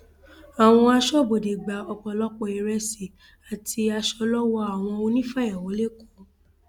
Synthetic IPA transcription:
a˨w̃ɔ̃˧a˧ʃɔ˦bo˨de˨ɡ͡ba˨ɔ˧k͡pɔ˨lɔ˦k͡pɔ˧˨i˧˨ɾɛ˧si˨ | a˨tʰi˧a˧ʃɔ˧lɔ˦wɔ˦a˨w̃ɔ̃˧o˧nĩ˦fa˦˨ja˨wo˨˦le˦ko˦

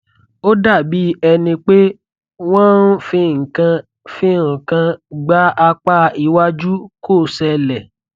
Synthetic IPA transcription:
o˦da˦˨bi˨˦ɛ˧nĩ˧k͡pe˦ | w̃ɔ̃˦n˦fĩ˧˨ŋ̩˨kã˧ | fĩ˦˨kã˧ɡ͡ba˨˦ʔa˧k͡pa˦i˧wa˦d͡ʒu˦ko˦˨sɛ˧lɛ˨

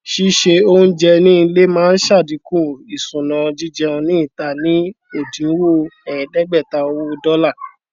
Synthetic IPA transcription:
ʃi˦ʃe˧o˦nũ˦d͡ʒɛ˧nĩ˦˧le˦mãː˦n̩˦ʃa˦˨dĩ˨˦kũ˦˨i˨sũ˨nã˨˧d͡ʒi˦d͡ʒɛ˧ɔ̃˧nĩ˦i˦˨ta˨nĩ˨˦ | e˦˨dĩ˨˦wo˦ɛ˨j̃ɛ̃˨dɛ˦ɡ͡bɛ˦˨ta˧o˧˦wu˦˧dɔ˦la˦˨

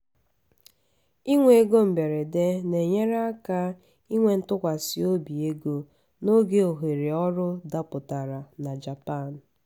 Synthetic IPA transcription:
i˦ŋʷe˨e˨ɡo˦m̩˨be˨ɾe˨de˦ne˨ɲe˦ɾa˦ka˦ | i˦ŋʷe˨n̩˦tʊ˦kʷa˨sɪ˦o˦bi˨e˦ɡo˦ | no˦ɡe˦o˨ɦe˨ɾe˨ɔ˦ɾʊ˦da˦pʊ˨ta˨ɾa˨na˨d͡ʒa˨pa˦˨n̩˨

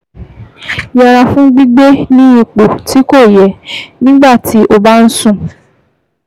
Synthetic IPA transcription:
ja˨ɾa˧fũ˦ɡ͡bi˦ɡ͡be˦nĩ˦i˨k͡po˨tʰi˨˦ko˦˨jɛ˨nĩ˦ɡ͡ba˦˨ti˨˦ʔo˦ba˦n̩˦sũ˦˨

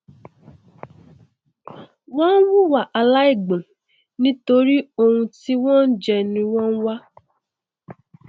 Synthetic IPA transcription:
wɔ̃˦n̩˦wu˦wa˨ʔa˧la˦i˦˨ɡ͡bɔ̃˨ | nĩ˦to˧ɾi˦o˧hũ˧ti˦wɔ̃˦n̩˦d͡ʒɛ˧nĩ˧wɔ̃˦n̩˦wa˦

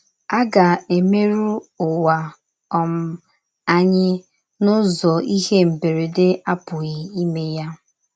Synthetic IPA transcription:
a˦ɡa˨e˨me˦ɾu˦ʊ˨wa˨ | ɔ˨m̩˦ | a˦ɲɪ˦ | nʊ˦zɔ˨i˦ɦe˦m̩˨be˨ɾe˨dɪ˦a˦pʊ˨ɣɪ˨i˦me˦ja˦

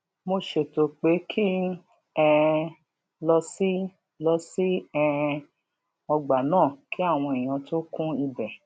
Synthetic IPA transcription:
mo˧ʃe˨to˨k͡pe˨˦kʰi˦ | ɛ˧ | lɔ˧si˦ | lɔ˧si˦ɛ˦˧ | ɔ˧ɡ͡ba˨nãː˦˨ki˦a˦˨w̃ɔ̃˧e˨j̃ã˨˧to˦kũ˦i˧bɛ˨

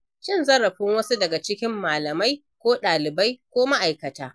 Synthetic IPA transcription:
ʃɪ˦nzɐ˦ɽɐ˨ɸɪ˦ŋwɐ˦su˦dɐ˨ɡa˨t͡ʃɪ˦kʲɪ˦mːaː˨lɐ˨ma˦j | kʷoː˦ɗaː˨lɪ˨ba˦jkʷoː˦ma˦ʔa˨jkɐ˨taː˦

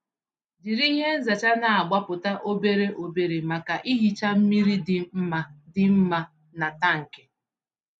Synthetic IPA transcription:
di˨ɾi˦ɦe˦n̩˦za˨t͡ʃa˦na˨a˨ɡ͡ba˦pʊ˨ta˦ʔo˦be˦ɾe˦ʔo˨be˨ɾe˨ma˨ka˨ʔi˦ɦi˨t͡ʃa˦m̩˦mi˦ɾi˦dɪ˨m̩˦ma˨dɪ˨m̩˦ma˦ | na˨ta˦ŋ̩˨ke̥˨

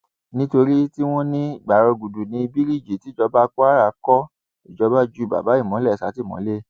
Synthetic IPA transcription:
nĩ˦to˧ɾi˦ti˦w̃ɔ̃˦nĩ˦i˨ɡ͡ba˨ɾɔ˧ɡu˨du˨nĩ˧i˧bi˦ɾi˦˨d͡ʒi˨ti˨˦d͡ʒɔ˧˦ba˦k͡pɔ˦a˦ɾa˦˧˦kɔ˦ | i˦˨d͡ʒɔ˨˧˦ba˦d͡ʒu˦˨ba̰˨ba˨˦i˦˨mɔ̃˨˦lɛ˦˨sa˨˦ti˦˨mɔ̰̃˨˦le˦

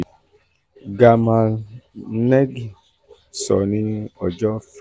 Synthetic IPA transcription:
ɡa˧mã˧ | nɛ˦ɡ | sɔ̰˨nĩ˦ɔ˨d͡ʒɔ˦f

